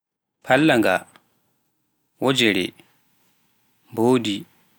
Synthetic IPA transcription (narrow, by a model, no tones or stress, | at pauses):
pʰalːaŋɡa̰ | wɔd͡ʒɛɾɛ̰ | mboːdi